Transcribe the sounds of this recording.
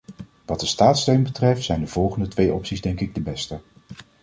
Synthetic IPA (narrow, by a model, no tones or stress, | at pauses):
ʋɑt̚dəstaːtstøɥnbətrɛftsɛjndəv̥ɔlˠχəndətʋejɔpsizdɛŋkɪɡ̚dəbɛstə